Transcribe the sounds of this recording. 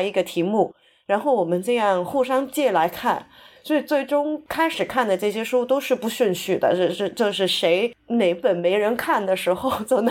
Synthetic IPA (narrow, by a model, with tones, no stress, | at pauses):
i˧˥ɡə˧t̪ʰi˧˥mu˥˩ | ɻa˧˥nxo˥˩ʊwɔ˨˩mə˦nʈ͡ʂɤ˥˧jɑ˥˧ŋxu˥˩ʂɑ˥ŋt͡ɕjɛ˥˩la˧˥ɪkʰa̰˥˩nswɔ˧˥i˨˩t͡swe˥˩ɪʈ͡ʂʊ˥ŋkʰa˥ɪʂɻ̩˨˩kʰa˥˩nd̪ə˩ʈ͡ʂɤ˥˩ɕjɛ˥ʂu˥t̪o˥ʊʂɻ̩˥˧pu˧˥ɕy˥˧nɕy˥˩d̪ə̰˩ɤ˥˧ʂ̩˥˧ʈ͡ʂɤ˥˧ʊʂɻ̩˥˩ʂe˧˥ɪne˧˥ɪpə˨˩nme˧˥ɪɻə˧˥nkʰa˥˩nd̪ə˩ʂɻ̩˧˥xo˥˧ʊt͡so˨˩ʊn˧˥